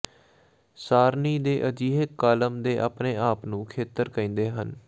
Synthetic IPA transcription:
saːɾniːd̪eːʔəd͡ʒiːɦekːaːləmd̪eːʔaːpneːaːpnũːkʰeːt̪əɾkəĩːnd̪eːɦən

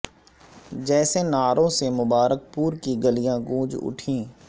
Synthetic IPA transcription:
d͡ʒɛːsenaːɾõsemʊbaːɾək̚puːɾkiɡəlijãɡũːd͡ʒʊ̰ʈʰĩː

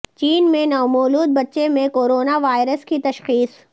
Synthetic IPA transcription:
t͡ʃiːnmẽnɔːmoːluːd̪̚bɐtːʃemẽkoːɾoːnaʋaːɪɾəskit̪ɐʃxiːs

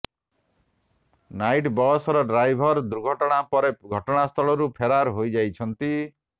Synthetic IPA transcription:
najʈbɔsɔɾɔɖɾajbʱɔɾd̪uɾɡʱɔʈɔɽ̃apɔɾeɡʱɔʈɔɽ̃ast̪ʰɔɭɔɾupʰeɾaɾɦojd͡ʒajt͡ʃʰɔnt̪i

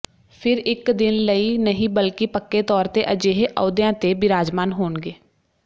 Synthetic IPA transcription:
pʰɪɾɪkd̪ɪnləiːnəɦĩːbəlkɪpəkːeːt̪ɔːɾt̪eːʔəd͡ʒeːɦeʔə̰ːd̪jãːt̪eːbɪɾaːd͡ʒmaːnɦoːɳɡeː

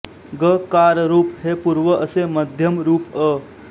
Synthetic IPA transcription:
ɡəkaːɾəɾuːpɦepuɾʋəʔəseməd̪ʱjəmɾuːpə

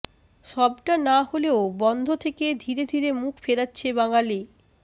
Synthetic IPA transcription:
ʃɔbʈanaholeobɔnd̪ʱot̪ʰeked̪ʱiɾed̪ʱiɾemukʰfeɾatːɕʰebaŋali

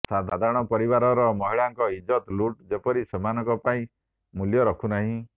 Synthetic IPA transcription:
sad̪ʱad̪ʱaɾɔɽ̃ɔpɔɾiβaɾɔɾɔmɔɦiɭaŋkɔid͡ʒɔt̪luʈd͡ʒepɔɾisɔmanɔkɔpaĩ | muljɔɾɔkʰunaɦĩ

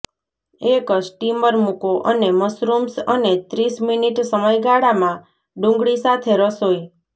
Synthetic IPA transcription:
ekəd͡ʒʈiməɾmukoʔəneməsɾumsənet̪ɾisminiʈsəməjɡaɽamã | ɖũŋɡɭisat̪ʰeɾəsoj

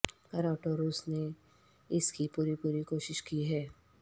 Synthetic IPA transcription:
kɐɾaːʈoɾuːsne | ɪskipuːɾipuːɾikoːʃɪʃkiɦɛː

